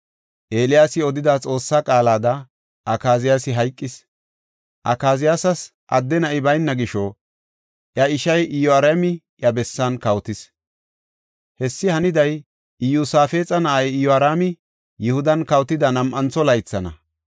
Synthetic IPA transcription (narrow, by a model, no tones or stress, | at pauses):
ʔe̞ːlɪjaːsɪɔd̪ɪd̪at͡sʼo̞ːsːakʼaːlaːd̪ɐ | ʔɐkaːzɪjaːsɪɦɐjkʼːɪs | ʔɐ̰kaːzɪjasɐs | ʔɐ̰d̪ːɛnɐʔɪbɐjnːɐɡɪʃɔ | ʔjɐɪʃɐjʔɪjɔɐɾeːmɪ | jɐbɛsːɐnkɐwt̪ɪs | hɛsːɪhɐnɪd̪ɐj | ɪjuːsaːfe̞ːt͡sʼɐnɐʔɐjɪjɔɐɾaːmɪ | jʊhʊd̪ɐnkɐwt̪ɪd̪ɐnɐmʔɐnt͡sɔlɐjt͡sːɐnɐ̰